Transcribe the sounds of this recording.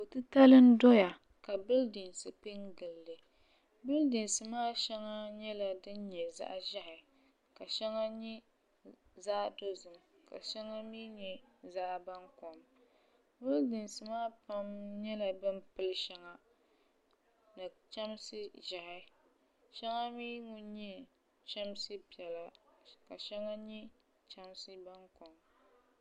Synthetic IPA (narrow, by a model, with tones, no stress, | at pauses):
o˨tɨ˦ta˦lɨ˦n˦dɔ˦ja˨ | ka˨bɨ˦ldɨ˨nsɨ˨pe˦ŋɡɨ˨lːɨ˨ | bɨ˦ldɨ˨nsɨ˨maː˦ʃɛ˦ŋa˦ɲɛ˦la˨dɨ˦n˦ɲɛ˨za̰˦ʔʒa˦hɪ˨ | ka˨ʃɛ˦ŋa˦ɲɛ˦ | zaː˦ʔdo˦zɨ˨m | ka̰˨ʃɛ˦ŋa˦miː˦ɲɛ˨za˦ʔba˦ŋko˨m | wʊ˦ldɨ˨nsɨ˨maː˦pa˦mɲɛ˦la˨bɨ˦mpɨ˦lɨ˦ʃɛ˦ŋa˦ | na˨t͡ʃa˦msɨ˦ʒa˨hɪ˨˦ | ʃɛ˦ŋa˦miː˦ŋʊ˦nɲɛ˦ | t͡ʃɛ˦msɨ˦pi˨ɛ˨la˦ka˨ʃɛ˦ŋa˦ɲɛ˦ | t͡ʃa˦msɨ˦ba˦ŋko˨m